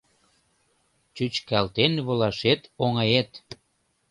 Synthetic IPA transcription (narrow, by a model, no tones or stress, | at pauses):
t͡ɕyt͡ɕkælt̪enβolɑʃet̪oŋɑjet̪